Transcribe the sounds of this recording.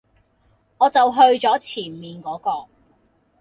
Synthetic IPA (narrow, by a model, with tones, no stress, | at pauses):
ŋɔː˨˧t͡sɐ˨wɦɵ˧ɥt͡ʃɔː˨˥t͡sʰiː˨˩nmiː˨nkɔː˨˥kɔː˧